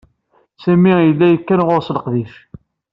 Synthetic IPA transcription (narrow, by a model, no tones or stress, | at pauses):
sæmijəlːæjəkːænʁʊɾsləqðif